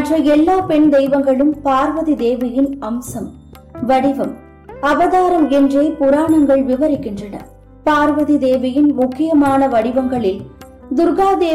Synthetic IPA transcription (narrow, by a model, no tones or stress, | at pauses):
ɐtrɐɛlːaːpɛɳd̪ɛɪʋɐŋɡɐɭɯmpaːɾʋɐðid̪eːʋɐjɪnɐmsɐm | ʋɐɽɪʋɐm | ɐʋɐðaːɾɐmɛndreːpʊɾaːɳɐŋɡɐɭʋɪʋɐɾɪkːɪndrɐnɐ̰ | paːɾʋɐðid̪eːʋɐjɪnmʊkːɪjɐmaːnɐʋɐɽɪʋɐŋɡɐɭɪl | d̪ʊɾɣaːd̪eː